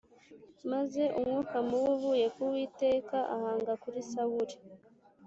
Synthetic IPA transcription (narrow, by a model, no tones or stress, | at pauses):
maze̞ʔumwukamuwuβuje̞kuwiːte̞ːkaʔa̰haːŋɡakuɾisawuɾi̥